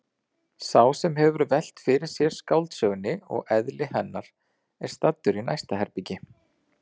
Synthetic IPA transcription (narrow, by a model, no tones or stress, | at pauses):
saːwsɛmɦɛvʏɾvɛl̥t̪fɪɾɪɾ̥sjɛɾ̥skawlt̪sœɣnɪɔ̰ɣɛðlɪhɛnːaɾ̥ | ɛɾ̥st̪at̪ːʏɾina̰jst̪ahɛɾpicɪ